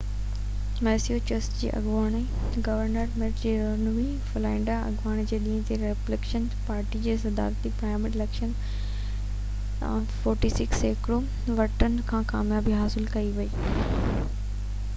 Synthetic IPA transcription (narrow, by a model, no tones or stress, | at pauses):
mɛːsijot͡ɕɐsʈd͡ʑḭːʔɐ̰ɡʋaːɽ̃e | ɡɐʋəɾnəɾmeʈd͡ʑiːɾɐnuʋi | flaːɪ̃ɳɖaɐ̰ɠʋaːɽ̃ed͡ʑeːɗĩːə̃t̪ʰeɾeplekʃən | paːɾʈid͡ʑeːsɐd̪a̰ːɾt̪ipɾaːɪmɪɾilekʃən | fɔːɾʈisɪkseːkɾo | ʋɐʈənɪ̆kʰãːkaːmjaːbiɦaːsɪlkɐiʋɐiː